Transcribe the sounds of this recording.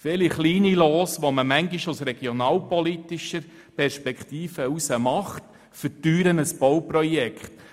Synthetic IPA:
fɪliχliːniloːsʋoməmæŋɡiʃusɾɛɡ̥ionɑːlpɔlit̪iʃəɾ | pɛɾʃpɛkʰt̪iːfəusəmɑχt | fətyːɾənəsb̥ɔwpɾɔjɛkχt̪

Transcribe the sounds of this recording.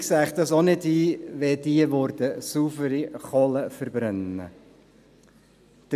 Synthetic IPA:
ksæχd̪ɑsonɪdiːʋɛd̪iəʋɔɾd̪əsufəɾiχɔləfəɾbɾœnːə̰ | d̪̥

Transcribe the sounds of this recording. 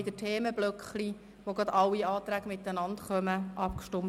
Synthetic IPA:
ɪd̥̪ətʰeːməb̥lœkχli | ʋoɡɑd̪ɑwiɑːt̪ɾæːɡəmɪt̪ːənɑntχœməʔɑpkʃtʊm

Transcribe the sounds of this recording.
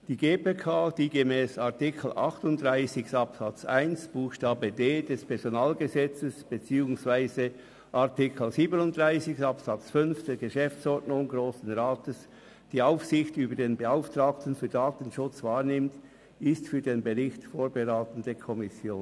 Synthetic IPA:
d̥iːɡeːpeːkʰaːd̥iːɡemɛːsɑʁtɪkʰl̩ʔɑ̰χtʊntd̥ʁaɪsɪçɑpsɑt͡saɪnsb̥uːxʃtaːbədeːdɛspʰɛɐzonaːlɡəzɛt͡səsb̥et͡siːʊŋsvaɪzə | ʔaʁtɪkʰl̩ziːbənʊntd̥ʁaɪsɪçsɑpsɑt͡sfʏnfd̥ɛːɐɡəʃɛft͡sɔɹtnʊŋɡʁoːsn̩ʁaːtəs | d̥iːaʊfsɪçtyːbədeːnbəaʊftʁaːk̚tən̩fyːɐdaːtən̩ʃʊt͡svaːʁnɪmt | ɪstfyːɐdeːnbəʁɪçtfoːɐbəʁaːtən̩dəkʰɔmɪsjoːn

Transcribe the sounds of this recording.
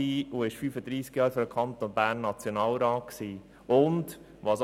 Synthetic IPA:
iːuɪʃfyːfəd̥̪ɾiːskjɑːɾfɔɾəkʰɑnt̪onbæːnːɑt͡sjonɑːlɾɑːtksiː | ʊnd | ʋɑs

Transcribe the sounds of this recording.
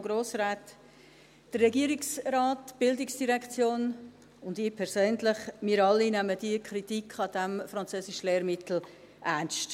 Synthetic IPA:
ɡɾoːsɾaːt | d̥ərːɛɡiəɾiksɾɑːtb̥ɪldɪksd̥iɾɛkt͡sjoːn | ʊndɪːpʰɛɾsøːnlɪχmiːəɾɑlːinæməd̥iəkʰɾitikχɑd̥æmfɾɑnt͡søːsɪʃəleːɾmɪtl̩ | ʔænʃt

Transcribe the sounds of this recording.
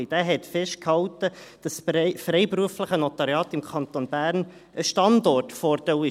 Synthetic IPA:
id̥æːɦɛtfɛʃt̚khɑwtəd̥ɑsfɾɛɪbɾuəfləχənɔt̪ɑɾjɑːtɪmkʰɑnt̪onb̥æːɾn | ʔəʃtɑndɔrtfɔɾdɛwɪ

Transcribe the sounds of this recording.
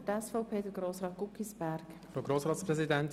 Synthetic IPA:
tɛsfɔʊpʰeːdəɡ̥ɾoːsɾɑːt̪̚ɡ̥ukːisbɛɾk | fɾoːɡɾoːsɾɑːtspɾɛzidɛnt

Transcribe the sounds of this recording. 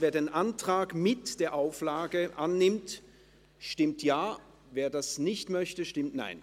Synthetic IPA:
veːɐdeːnʔantʁ̥aːkmɪtd̥eːɐʔaʊflaːɡəʔanːɪmt | ʃtɪmtʰjaː | veːɐdasnɪçtmœçtəʃtɪmtna̰ɪn

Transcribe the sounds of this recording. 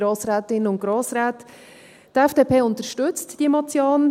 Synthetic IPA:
ɾoːsɾæːtɪnəʊnt̚ɡ̥ɾoːsɾæːt | dɛfd̥eːpeːʊntəʃtʏt͡std̥iəmɑt͡sjoːn

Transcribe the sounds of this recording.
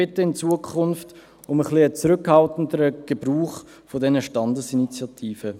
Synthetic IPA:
ɪtːəɪnt͡suəkʰʊnft | ʊməχliət͡sɾʏkhɑltn̩dəɾəɡ̥əbruːχ | fodɛnəʃtɑndəsinit͡sjɑtʰiːfə

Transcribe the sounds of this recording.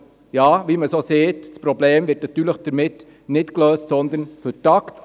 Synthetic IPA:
jɑːʋiməsoːseːtspɾɔbleːmʋɪtnɑt̪ːyːɾləχd̥əɾmɪt | nɪtkløːstsɔnd̪ənfʏtɑkt

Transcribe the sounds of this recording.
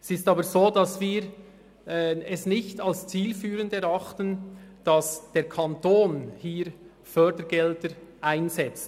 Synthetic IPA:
ɛsɪstɑːbəɾzoːdɑsviːɾ | ɛsnɪçtɑlst͡siːlfyːʁəndɛɾɑχtənd̥ɑsd̥eːɾkʰɑntoːnhiːɾ | fœdəɾɡɛltəɾʔaɪnzɛt͡s

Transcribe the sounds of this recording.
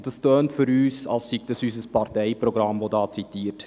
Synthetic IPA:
d̥ɑstœːntfʏɾyːsɑ̰lssiɡ̚d̥ɑsys̬əspɑrtɛɪpɾɔɡɾɑmvodɑːt͡sitiːət

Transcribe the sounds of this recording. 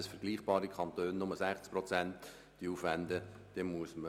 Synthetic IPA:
sfəɾɡliːχb̥ɑːɾikʰχɑnt̪øːnnʊməsæχt͡spɾɔt͡sɛnt | d̥iuːfvænd̪ə | d̪̥emuəsmə

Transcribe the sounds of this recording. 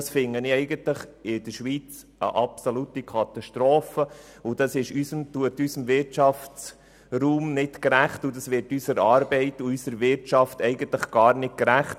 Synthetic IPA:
sfɪŋəniɛɪɡəntləχɪd̥əʃʋiːt͡s | ə̰ʔɑpsolutikʰɑt̪ɑʃtɾoːfə | ʊd̥ɑsɪʃysəmtuətysəmvɪɾtt͡ʃɑft͡s | ruːmnɪtkɾæχtʊdɑsʋɪɾtysəɾɑːɾbɛɪtuysəɾʋɪɾtt͡ʃɑftɛɪɡənt̪ləχɡ̥ɑːɾnɪt̚kɾæχt

